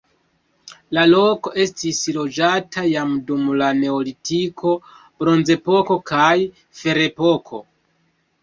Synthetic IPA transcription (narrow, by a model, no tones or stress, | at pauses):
lalo̞ko̞ʔe̞stislo̞d͡ʒatʰajamdumlane̞olitikʰo̞ | b̥ɾo̞nze̞po̞ko̞kaj | fe̞ɾe̞po̞kʰo̞